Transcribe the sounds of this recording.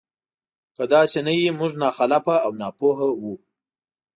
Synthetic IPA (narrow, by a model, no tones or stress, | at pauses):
kad̪ɑsenajimuʐnɑxalapaːwnɑpoɦawu